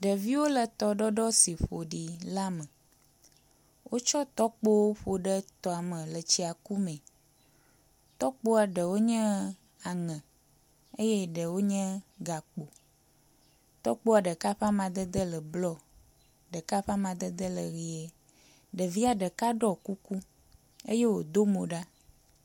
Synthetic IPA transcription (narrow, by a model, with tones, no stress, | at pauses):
ɖə˨vi˦wo˦lə˨t̪ɔ˨ɖɔ˦ɖɔ˦si˨ɸo˨ɖi˨la˦mə̃˨ | wʔo˦t͡ʃɔ˦t̪ɔ˦k͡po˦wo˦ɸo˨ɖə˦t̪ɔ˨a˨mə̃˨lə˨t͡ɕi˦a˨ku˦mɛ̃˨ | t̪ɔ˦k͡po˦a˨ɖə˨wo˦ɲɛ̃˦ | a˨ŋɛ̃˨ | e˦je˦ɖə˨wo˦ɲɛ̃˦ɡa˨k͡po˨ | t̪ɔ˦k͡po˦a˨ɖə˨ka˦ɸa˦mã˨d̪ə˦d̪ə˦lə˨blɔ˦ | ɖə˨ka˦ɸa˦mã˨d̪ə˦d̪ə˦lə˨ɣi˨e˦ | ɖə˨vi˦a˨ɖə˨ka˦ɖɔ˦ku˦ku˦ | e˦je˦wo˨d̪o˦mõ˨ɖa˦